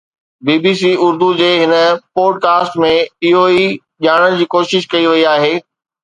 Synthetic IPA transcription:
biːbiːsiːʊɾd̪ud͡ʑeːɦɪnə̆poːɖkaːsʈmẽɪɦoi | ʄaːɽ̃əɽ̃ɪ̆d͡ʑiːkoːʃɪʃkɐiʋɐiaːɦeː

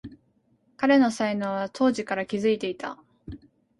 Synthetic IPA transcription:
kaɾe̞no̞sainoːβat̪ʰo̞ːʑikaɾakʲizɨit̪e̞it̪a

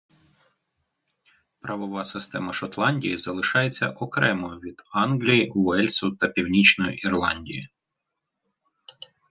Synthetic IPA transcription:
pɾʔɐʋɔʋɑsɪst̪ɛmɐʃɔt̪lˠɑnʲdʲijizɐlˠɪʃɑjet͡sʲːɐ̰ʔɔkɾɛmɔjʊʋʲid̪̥ɑnɦlʲijiwɛlʲsʊt̪ɐpʲiwnʲit͡ʃnɔjḭʔirlˠɑnʲdʲḭjḭ

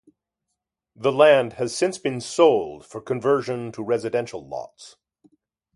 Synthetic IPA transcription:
ðəlæ̃nd̚ɨz̥sɪ̃nsb̥ɨ̃nsoʊlˠd̥fə˞kʰɨ̃ɱvɜ˞ʒɨ̃ntʰəɹɛzɨdɛ̃nʃl̩ˠlɔ̰ts

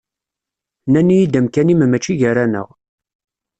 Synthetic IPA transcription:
nænijid̪əmkænimmæt͡ʃːiʝəɾanə̰ʁ

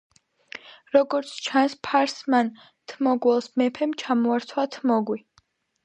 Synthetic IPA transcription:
ɾɔɡɔɾt̪sʰt͡ʃʰanspʰaɾsman | t̪ʰmɔɡwɛlˠsmɛpʰɛmt͡ʃʰamɔaɾt̪ʰwat̪ʰmɔɡwi

